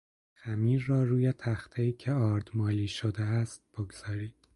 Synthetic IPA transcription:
xæmiːɾːɒːɾuːjet̪ʰæxt̪ʰeiːcʰeɒːɾd̪̥mɒːliːʃod̪eæst̪̚b̥oɡz̥ɒːɾiːd̪̥

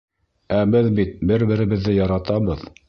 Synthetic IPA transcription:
æbɘðbit̪̚bɘɾbɘ̆ɾɘ̆βɘ̆ðːɘjɑɾɑt̪ɑβɤð

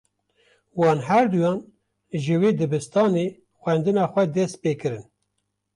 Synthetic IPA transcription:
wɑːnɦæɾd̪ujɑːn | ʒɨweːd̪ɨbɨst̪ɑːne | xʷɛnd̪ɨnɑːxʷɛd̪ɛst̪̚peːkɨɾɨn

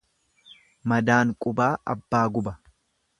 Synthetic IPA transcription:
mɐd̪aːŋkʼʊbaːʔɐ̰bːaːɡʊbɐ

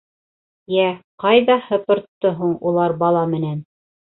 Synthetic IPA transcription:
jæqɑjðɑhɤ̆pɤ̆ɾt̪ːɤɦuɴulˠɑɾbɑlˠɑmɘ̆næn

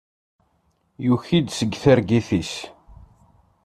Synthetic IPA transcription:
juçid̪səɡθəɾɡiθis

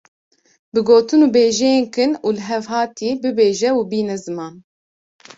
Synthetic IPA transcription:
bɨɡoːt̪ɨnuːbeːʒɛjeːnkɨnuːlɨɦɛvɦɑːt̪iːbɨbeːʒɛubiːnɛzɨmɑːn

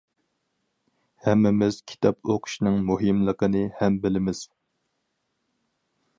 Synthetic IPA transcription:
hɛmːɪmɪz̥kʲʰi̥t̪ʰɑpoqʰʊ̥ʃnɨŋmuɦɪmlˠəqənɨhɛmbɪlɪmɪz̥

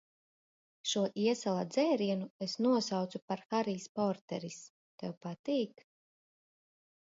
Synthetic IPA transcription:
ʃuɔʔiɛsalˠad̪zɛːɾiɛnuesnuɔsawt̪supaɾxaɾiːspɔɾt̪ɛɾis | t̪ɛwpat̪iːk

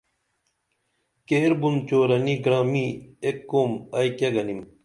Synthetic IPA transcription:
keːɾbunt͡ɕoːɾɐniɡɾaːmiekːoːmɐjkɐɡɐnim

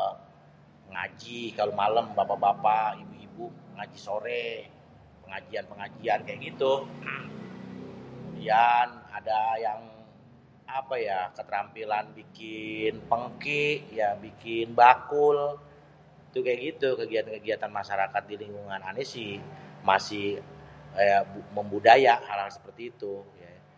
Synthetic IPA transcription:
əŋa̰d͡ʒikalomaləmbapabapaibuibuəŋad͡ʒisoɾɛ | pəŋad͡ʒianpəŋad͡ʒiankajaʔɡit̪u | ianadajaŋ | apajakət̪əɾampilanbikɪnpəŋkiʔjabikɪnbakʊl | t̪ukajaʔɡit̪ukəɡiat̪akəɡiat̪anmaʃaɾakat̪̚diliŋɡuŋananesɪhmasɪh | əbməmbudajaʔhalhalsə̥pərt̪iːt̪uja

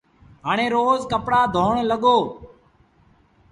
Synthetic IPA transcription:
ɦaːɽ̃ẽːɾoːzkəpɽaːd̪ʱoːɳləɠoː

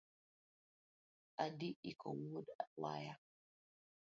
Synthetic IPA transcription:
ʔadiʔikʰɔ̰wudawa̰ːja

